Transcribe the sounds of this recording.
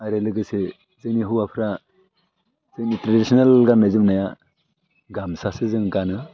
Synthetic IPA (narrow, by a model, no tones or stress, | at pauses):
aɾelɯɡɯsɯ | zɯŋniɦuwapʰɾa | zɯŋnitɾadisɔnalɡanːajzɯmnaja | ɡamsasɯzɯŋɡanɯ